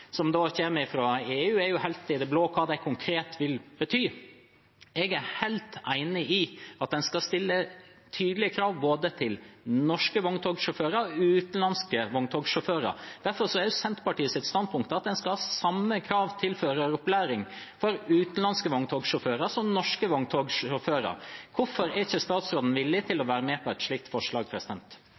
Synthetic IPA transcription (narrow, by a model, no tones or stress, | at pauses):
sɔmd̪oːçɛməɪfɾoeːʉːæɾjʊhɛlt̪ɪd̪ɛbloːkʰɑːd̪æɪkʰʊŋkʰɾeːt̪ʋɪlbət̪ʰyː | ɛɡæhæɪlt̪æɪnəɪɑt̪̚d̪ɛnskɑst̪ɪlːə | t̪ʰyːd̪əlɪəkʰɾɑːʋboːd̪ət̪ʰɪlnɔʂkəʋɔŋt̪ʰɔːɡʂʊføːɾəɾɔʉːt̪nlɑnskəʋɔŋt̪ʰɔɡʂʊføːɾə̰ɾd̪̥æɾfɔɾsɔæɾjʉsɛnt̪pɑʈiːəsɪt̪st̪ɑnd̪̚pʰʊŋkt̪əɑt̪̚d̪ɛnskɑhɑːsɑmːəkʰɾɑːʋt̪ʰɪlføːɾəɾʊplæːɾɪŋ | fɔɾʉːt̪n̩lɑnskəʋɔŋt̪ʰoːɡʂʊføːɾɑɾsɔmnɔʂkəʋɔŋt̪ʰoːɡʊføːɾɑ̰ɾkʰʊfɔɾɛɾɪçəst̪ɑːt̪sɾoːd̪n̩ʋɪlːɪt̪ʰɪlɔʋæːɾəmɛːpʰɔɛɪt̪ʂɭiːk̚t̪fɔʂɭɑːɡpʰɾɛsɪd̪ɛnt̪